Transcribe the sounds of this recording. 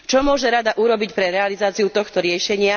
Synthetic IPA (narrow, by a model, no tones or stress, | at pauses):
t͡ʃɔmʊɔʒɛɾad̪aʔuɾɔbicpɾɛɾɛalizaːt͡siut̪ɔxt̪ɔɾɪɛʃɛɲɪa